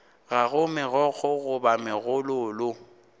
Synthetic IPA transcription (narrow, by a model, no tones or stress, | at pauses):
ɣaɣʊmɪɣɔk͡xʰɔɣʊbamɪɣʊlʊːlʊ